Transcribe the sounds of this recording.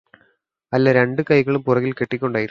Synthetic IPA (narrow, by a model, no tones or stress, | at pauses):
ɐlːɐɾe̞ɳɖɨkɐjɣɐɭumpurɐɣilkeʈːikʲːo̞ɳɖaːjiɾu